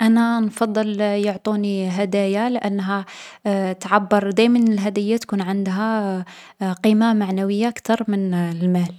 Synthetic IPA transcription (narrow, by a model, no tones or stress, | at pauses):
ʔænænfɑd̪ˤːəljoʕt̪ˤuniɦæd̪æjalʔanːɦæ | t̪ʕabːɑɾˤd̪æjmənɪlɦæd̪əjːat̪kunʕənd̪ɦæ | qiːmamaʕnawəjːaʔkt̪ɑɾˤmənlmæl